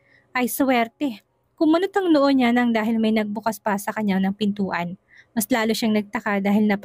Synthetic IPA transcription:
ʔɐjswɛɾt̪ɛ | kʊŋmɐnot̪ɐŋnoʔonɲanɐŋd̪aːɦɪlmɐjnɐɡ̚bʊkaspɐsɐkɐɲːanɐŋpɪnt̪uːʔɐn | mɐslaːloʃaŋnɐɡ̚t̪ɐkad̪aːɦɪlnɐ

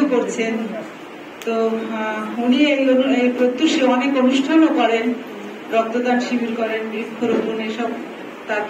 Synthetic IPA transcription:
ekoɾt͡ɕʰen | t̪o | uniejonebɾot̪ːuʃeɔnekonuʃʈʰanokɔɾen | ɾɔk̚t̪od̪anʃibʱiɾkɔɾenɡɾikʰːoɾopuneʃɔb̚ | t̪aɾ

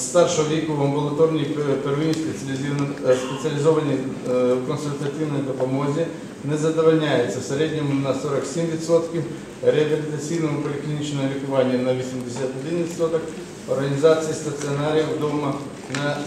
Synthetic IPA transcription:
st̪ɑrʃɔɦɔʋʲikuwɐmbʊlˠɐt̪ɔrnʲijperʋɪnʲisp | spet͡sʲiɐlʲɪzɔʋɐnʲijkɔnsʊlʲt̪ɐt̪ɪwnɔjd̪ɔpɔmɔzʲi | nɛzɐd̪ɔʋɐlʲnʲajet͡sʲːɐwseɾɛd̪ʲnʲɔmʊnɐsɔɾɐksʲimʋʲit̪ʲsɔt̪kʲɪ | ɾeɐbʲilʲit̪ɐt͡sʲijnɔɦɔpɔlʲɪklʲinʲit͡ʃnɔɦɔʋʲik̪ʊʋɑnʲːɐnɐʋʲisʲimd̪esʲat̪ɔd̪ɪnʋʲit̪sɔt̪ɔk | ɔrɦɐnʲizɑt͡sʲijɐst̪ɐt͡s̪ʲiɔnaɾʲijɐwd̪ɔmɐ | nɐ

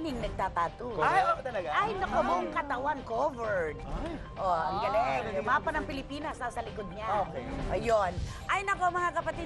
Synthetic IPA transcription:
nɪŋnɐɡ̚t̪aːt̪aːt̪oaot̪ɐlɐɡaajnɐkomoŋkɐt̪ɐwankovɛɹd̪ | ʔoʔɐŋɡɐlɛlʊmaːpɐnɐŋpɪlɪpiːnɐsnasɐlɪkod̪̚ɲaokeʔɐjon | ʔajnɐkomɐŋakɐpɐt̪i

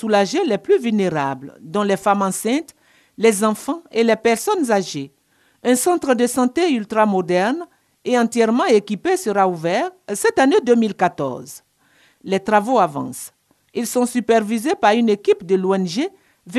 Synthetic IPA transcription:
ulaʒelɛplyvylneʁa̰bld̪ɔ̃lɛfamɑ̃sɛ̃t̪ | lɛzɑ̃fɑ̃elɛpɛʁsɔnzaʒe | ɛ̃sɑ̃t̪χəd̪əsɑ̃t̪eylt̪ʁamɔd̪ɛʁn | eɑ̃t̪jɛʁmɑ̃ekipesəʁauvɛʁsɛt̪aned̪ømilkat̪ɔ̰ʁz | lɛt̪ʁavoavɑ̰̃s | ilsɔ̃sypɛʁvizepaʁynekipd̪əloɛnʒe | v

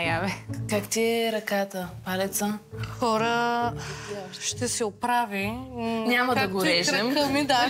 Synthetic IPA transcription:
javɛkakt̪iɛɾɐkat̪əpalɛt̪səxɔɾə | ʃt̪ɛsɛʊpɾaviɲʲamɐd̪ɐɡʊɾɛʒɾɛɐmkɐmid̪a

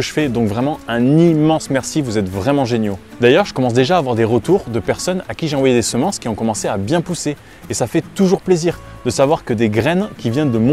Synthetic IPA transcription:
əʒəfɛd̪ɔ̃kvʁɛmɑ̃ɛ̃nimɑ̃smɛʁsivuzɛt̪vʁɛmɑ̃ʒenjod̪ajœʁʒəkɔmɑ̃s̬d̪eʒaːvwaʁd̪eʁət̪uʁd̪əpɛʁsɔnakʲiʒeɑ̃vwajed̪esəmɑ̃skʲiɔ̃kɔmɑ̃seabjɛ̃puseː | safɛt̪uʒuʁpleziʁd̪əsavwaʁkəd̪eɡʁɛnkʲivjɛnd̪əmɔ̃

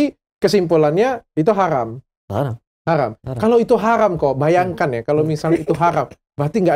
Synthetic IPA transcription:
i | kəsimpulanɲait̪uɦaɾa̰m | haɾa̰mkaloit̪uɦaɾamkobajaŋkanjakalomisalit̪uɦaɾam | baat̪iŋɡa

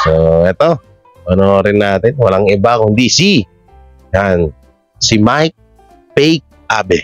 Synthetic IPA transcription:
soɛt̪o | ʔɐnoɾɪnːaːt̪ɪnwɐlaŋɪbakʊŋd̪isi | d͡ʒan | simajk̚ | pɛjk̚ | abɛ

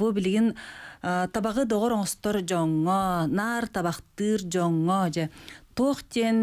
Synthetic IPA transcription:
bubiliɡin | t̪ʰɑbɑʁɯd̪oʁoɾoɴɔst̪oɾd͡ʒoŋːonɑɾt̪ʰɑβɑqt̪ɯːɾd͡ʒoŋːɔd͡ʒet̪oːχt̪ʲen

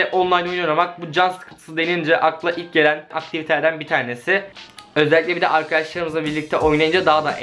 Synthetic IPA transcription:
ɛʔo̞nlˠajnojnoɾamak̚bud͡ʒanskʰɯt̪ʰɯ̥sɯd̪e̞nind͡ʒɛʔaklˠaʔilʲc̚ɟe̞lʲænak̚t̪ʰivit̪ʰed̪ænbit̪ʰaːne̞sɪø̞zɛlʲicʲlʲɛbid̪ɛʔaɾkʰad̪aʃlˠaɾɯmɯzlˠabiɾlʲic̚t̪ʰɛʔo̞jnajɯnd͡ʒad̪aɦad̪a̰ʔ

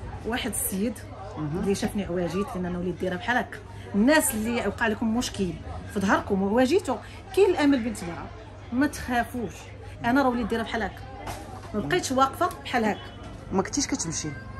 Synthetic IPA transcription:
waħəd̪səjːəd̪ | liʃæfniʕwæʒit̪ʔənːʔænæwlid̪ːiɾæbħalæk | nːæslːiʕwqɑʕlikʊmːʊʃkilfid̪ɦɑɾˤkʊmʕwæʒit̪ʊ | kiəlʔæməlbint̪lɾɑ̰ | mæt̪xæfuʃ | ʔænæɾˤɑwlid̪ːiɾæbħalæk | mæbqit̪ʃwɑqfɑbħalhæk | mækt̪iʃkæt̪əmʃi

